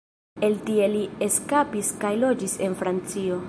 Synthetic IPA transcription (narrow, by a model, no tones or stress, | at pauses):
e̞ltie̞lie̞skapiskajlo̞d͡ʒise̞nfɾant͡sio̞